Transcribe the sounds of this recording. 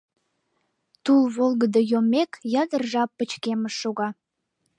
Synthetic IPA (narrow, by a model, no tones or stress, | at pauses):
t̪ulβolˠɣəd̪əjomekjɑd̪ərʒɑpːə̆t͡ɕkeməʃʃoɣɑ